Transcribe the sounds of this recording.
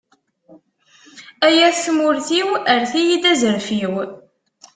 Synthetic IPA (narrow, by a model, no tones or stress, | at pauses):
æjæsmʊɾθiwəɾθijid̪æzəɾfiw